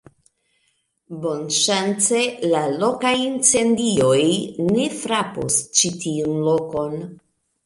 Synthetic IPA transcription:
bo̞nʃant͡se̞lalo̞kajint͡se̞ndio̞jne̞fɾapo̰st͡ʃitʰiunloko̞n

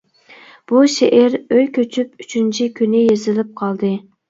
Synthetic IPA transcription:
b̥uʃeʔɪɾøjkʲʰøt͡ʃʰypyt͡ʃʰynt͡ʃʰikʲʰynɪjezɪlɪp̚qʰɑlˠd̪ɨ

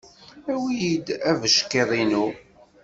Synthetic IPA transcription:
æwijid̪ævəʃkeðˤinu

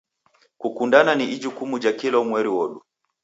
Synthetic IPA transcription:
kukundananiʔid͡ʒukumud͡ʒakilɔmwɛɾiwɔɗu

